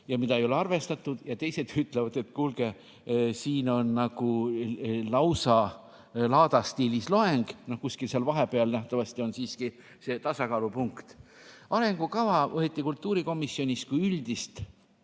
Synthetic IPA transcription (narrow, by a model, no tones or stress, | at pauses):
jɑmid̪ɑejo̞le̞ɑrve̞st̪ɑt̪ːˑud̪̥jɑt̪e̞jse̞d̪̥yt̪ːˑlevɑd̪̥e̞t̪kulɡ̥e̞ | siːno̞nːɑɡ̥u | lɑwsɑ | lɑːd̪̥ɑst̪iːlislo̞e̞ŋɡ̥no̞hkusʲkilseɑlvɑɦe̞peɑlnæht̪ɑvɑst̪io̞nsiːski | se̞ːt̪ɑsɑkɑːlupuŋkt̪ɑɾe̞ŋɡ̥ukɑvɑʔoet̪ːˑikult̪ːˑuːɾiko̞misːjo̞nist̪̚kujyld̪̥ist̪